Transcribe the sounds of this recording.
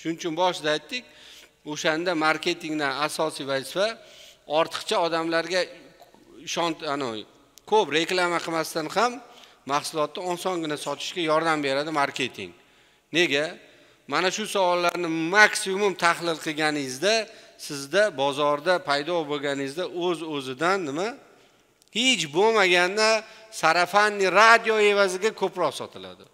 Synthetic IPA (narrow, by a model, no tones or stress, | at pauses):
ʃʊnt͡ʃʰʊnbɒʃd̪aːjt̪ːɪk̚ʲ | oʃand̪amaɾkʲʰe̞t̪ʰiŋd̪anasɒsijvazɪfaɒɾt̪ʰɨ̥qt͡ʃʰaɒd̪amlaɾɡʲa | ɪʃɒnanɪ | kʰɵpɾe̞klˠamaqʰɨmast̪anhamː | aχsʊlˠɒt̪nɪɒnsɒŋɡʲɪnasɒt̪ʰɪ̥ʃkʲajɒɾd̪ambe̞ɾad̪ɪmaɾkʲe̞t̪ʰɪ̰ŋ | ne̞ɡʲa | manaʃʊsawɒlˠːaɾnɪmaksʊmʊmt̪ʰaχlˠɪlˠqʰɨɡʲanɪɪzd̪asɪzd̪abɒzɒɾd̪apʰajd̪ɒboɡʲanɪɪzd̪aʔɵzɵzɪd̪anːɪma | het͡ʃbomaɡʲanːasaɾafanːɪɾad̪ijoe̞vazɪɡʲakʰɵpɾɒqsɒt̪ʰɪla̰d̪ɪ